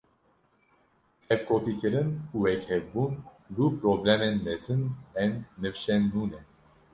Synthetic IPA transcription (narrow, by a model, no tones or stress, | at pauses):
ɛvkopikəɾənuɛkhɛvbun | lupɾɔblɛmɛnmɛzɨnɛnːɨvʃɛnːuːnɛ